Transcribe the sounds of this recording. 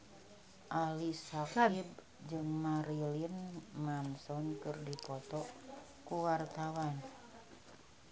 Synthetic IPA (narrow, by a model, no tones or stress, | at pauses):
ʔalisakab̚ | d͡ʒɨŋmaɾilinmansɔnkɨrdipɔt̪ɔ | kuwart̪awan